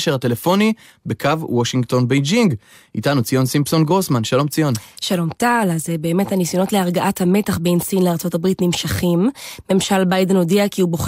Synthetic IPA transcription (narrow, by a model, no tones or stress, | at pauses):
ʃeʁate̞lefo̞ni | bekʰavwoʃiŋɡt̪o̞nbejd͡ʒiŋɡ | itanut͡sijo̞nsimpsonɡʁosmanʃalo̞mt͡sijo̞nʃalo̞mtalazebe̞ːme̞thanisjo̞no̞tleaʁɡaʔathame̞taχbejnsinleaʁt͡so̞tabʁitnimʃaχimːe̞mʃalbajde̞nodiakiubo̞χ